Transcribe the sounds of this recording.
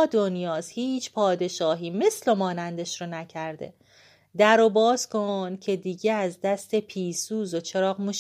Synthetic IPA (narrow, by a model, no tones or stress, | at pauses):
d̪o̞njɒːshiːt͡ʃʰpʰɒːd̪e̞ʃɒːɦiːme̞slomɒːnænd̪e̞ʃɾonæcʰæɾd̪ḛ | d̪æɾobɒːskʰoncʰe̞d̪iːɟeæzd̪æst̪ʰe̞pʰiːsuːzot͡ʃʰe̞ɾɒːɣmuʃ